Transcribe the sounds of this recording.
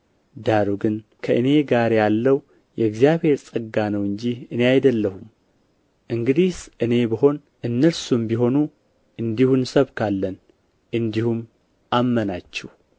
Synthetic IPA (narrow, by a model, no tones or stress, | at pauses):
d̪aɾuɡɨnkʰəʔɨne̞ɡaɾjalːəw | jɛɨɡzjaβhe̞ɾsʼɨɡːanəwɨɲd͡ʒiɨne̞ajd̪əlːəhum | ʔɨŋɡɨd̪isʔɨne̞bəɦo̞n | ʔɨnːəsumbiɦo̞nu | ʔɨnd̪ihunsəβkʰalːən | ʔɨnd̪ihum | ʔamːənat͡ʃːɛh